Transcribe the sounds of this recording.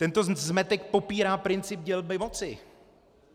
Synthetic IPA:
t̪ɛnt̪o̞zmɛt̪ɛkpo̞piːɾaːpɾɪnt͡sɪb̚ɟɛlmɪmot͡sɪ

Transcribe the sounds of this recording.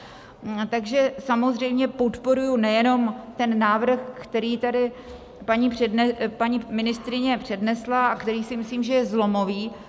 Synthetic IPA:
t̪aɡʒɛsamo̞zr̝ɛjmɲɛpo̞t̪po̞ɾujunɛjɛno̞mt̪ɛnːaːvr̩xkt̪ɛɾiːt̪adɪ | paɲiːpr̥ɛdɛpaɲiːmɪnɪst̪ɾɪɲɛpr̝̥ɛdnɛslaakt̪ɛɾiːsɪmɪsliːmʒɛjɛzlo̞mo̞viː

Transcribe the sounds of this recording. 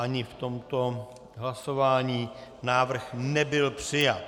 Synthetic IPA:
ʔaɲɪft̪o̞mt̪o̞ | ɦlaso̞vaːɲiːnaːvr̩xnɛbɪlpr̥ɪjat̪

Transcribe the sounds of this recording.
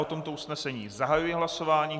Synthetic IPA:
ʔot̪o̞mt̪o̞usnɛsɛɲiːzaɦajujɛɦlaso̞vaːɲiː

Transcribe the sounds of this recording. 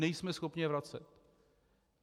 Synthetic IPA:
ɛjsmɛsxopɲɪvɾat͡sɛ̰t̪

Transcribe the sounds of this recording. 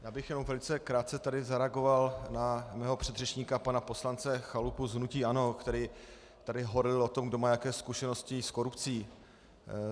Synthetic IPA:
jaːbɪxjɛnomvɛlɪt͡sɛkɾaːt̪t͡sɛt̪adɪzaɾɛaɡo̞valnamɛːɦopr̥ɛd̪rɛt͡ʃɲiːkapanapo̞slant͡sɛxalupuzɦnuciːʔano̞kt̪ɛɾiː | t̪adɪɦoɾɪlot̪o̞mɡdo̞maːjakɛːskuʃɛnoscɪsko̞ɾupt͡siː

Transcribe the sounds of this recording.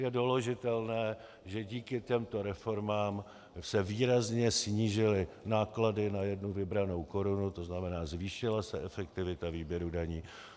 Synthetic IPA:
jɛdoloʒɪt̪ɛlnɛː | ʒɛɟiːkɪc̪ɛmt̪o̞ɾɛfo̞ɾmaːm | sɛviːɾazɲɛsɲiːʒɪlɪnaːkladɪnajɛdnuvɪbɾano̞wko̞ɾunut̪o̞znamɛnaːzviːʃɪlasɛʔɛfɛk̚t̪ɪvɪt̪aviːbjɛɾudaɲiː

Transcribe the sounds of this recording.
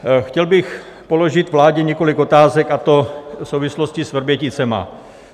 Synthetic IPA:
xcɛlbɪx | po̞lo̞ʒɪt̪vlaːɟɛɲɛkolɪko̞t̪aːzɛkat̪o̞fsowvɪsloscɪsvrbjɛcɪt͡sɛma̰

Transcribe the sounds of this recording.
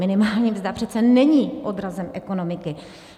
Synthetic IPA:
ɪnɪmaːlɲiːmvzd̪apr̝̥ɛt̪t͡sɛnɛɲiːʔo̞dɾazɛmʔɛko̞no̞mɪkɪ

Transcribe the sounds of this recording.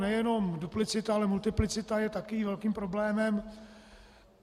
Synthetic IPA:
nɛjɛno̞mduplɪt͡sɪt̪aalɛmult̪ɪplɪt͡sɪt̪ajɛt̪akiːvɛlkiːmpɾo̞blɛːmɛm

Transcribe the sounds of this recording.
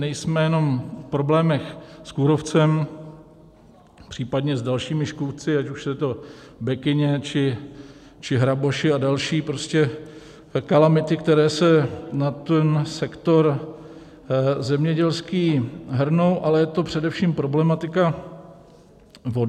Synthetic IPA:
nɛjsmɛjɛno̞mfpɾo̞blɛːmɛxskuɾo̞ft͡sɛm | pr̥iːpadɲɛzdalʃiːmɪʃkuft͡sɪacuʃsɛt̪o̞ | bɛkɪɲɛt͡ʃɪ | t͡ʃɪɦɾaboʃɪadalʃiːpɾoscɛ | kalamɪt̪ɪkt̪ɛɾɛːsɛnat̪ɛnsɛkt̪o̞ɾ | zɛmɲɛɟɛlskiːɦr̩no̞wʔalɛjɛt̪o̞pr̝̥ɛdɛfʃiːmpɾo̞blɛmat̪ɪka | vo

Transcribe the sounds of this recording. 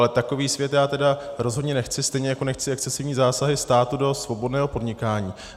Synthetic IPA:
lɛt̪ako̞viːsvjɛt̪jaːt̪ɛdaɾo̞zɦodɲɛnɛxt͡sɪst̪ɛjɲɛjako̞nɛxt͡sɪɛk̚t͡sɛsɪvɲiːzaːsaɦɪst̪aːt̪udo̞svo̞bo̞dnɛːɦo̞po̞dɲɪkaːɲiː

